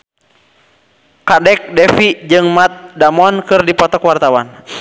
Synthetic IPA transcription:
kadɛk̚dɛfid͡ʒɨŋmat̪̚damɔnkɨrdipɔt̪ɔkwart̪awan

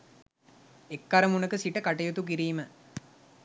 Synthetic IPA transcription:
ekːɐɾəmunəkəsiʈəkaʈɐjut̪uk̬iɾiːmə

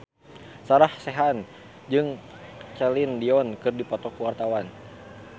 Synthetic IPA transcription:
saɾahsɛɦan | d͡ʒɨŋ | t͡ʃɛlindiɔnkɨrdipɔt̪ɔkuwart̪awan

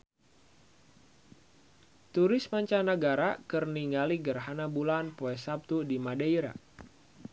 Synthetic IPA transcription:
t̪uɾɪsmaɲt͡ʃanaɡaɾakərniŋɡaliɡərɦanabulanpoɛsap̚t̪udimadaiɾa̰

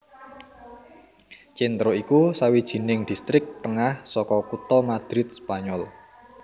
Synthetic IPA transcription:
t͡ʃint̪ɾoikusawid̥ʒ̥i̤nɪŋd̪̥i̤st̪ɾɪk̚t̪əŋahsɔkɔkut̪ɔmad̪̥ɾɪt̪̚spaɲɔl

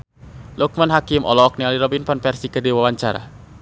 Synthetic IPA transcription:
luk̚manɦakimʔɔ̰lɔk̚nialiɾɔbinpɔnpɛrsikədiwawaɲt͡ʃaɾa̰

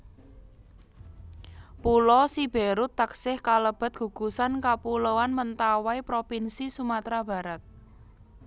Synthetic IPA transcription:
pulɔsib̥eɾut̪ːaksɪhkaləb̥a̤t̪̚ɡ̥ṳɡ̥ṳsankapulowanmənt̪awaipɾopinsisumat̪ɾab̥a̤ɾat̪̚

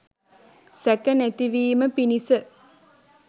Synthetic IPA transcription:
sækənæt̪iʋiːməpinisə

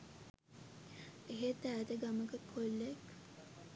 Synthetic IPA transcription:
eɦet̪æːt̪əɡaməkəkʰːolːeek

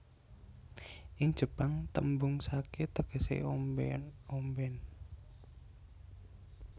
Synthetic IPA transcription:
ʔɪŋ̥ʒ̥ə̤paŋt̪ə̰mbʊŋsaket̪əɡ̥ə̤sḛ | ombɛn

